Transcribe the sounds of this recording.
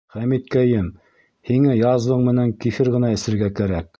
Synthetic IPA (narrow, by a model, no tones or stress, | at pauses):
χæmit̪̚kæjɘm | hiŋɘjɑzwɤɴmɘ̆næŋkifɘɾʁɤ̆nɑɘ̆sɘ̆ɾɡækæɾæk̚